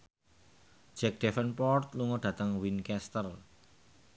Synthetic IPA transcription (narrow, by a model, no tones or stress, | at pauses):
d͡ʒ̥ɛk̚d̥ɛfənpɔrt̪luŋɔɖ̥ä̤t̪əŋwinkɛst̪ər